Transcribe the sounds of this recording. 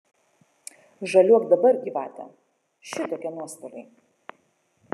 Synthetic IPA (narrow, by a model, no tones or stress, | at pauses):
ʒɐlʲuɔkd̪ɐbɐɾɡʲiːʋɑ̰ːt̪ʲɛ̰ | ʃʲɪt̪oːkʲiɛnuɔst̪olʲɐɪ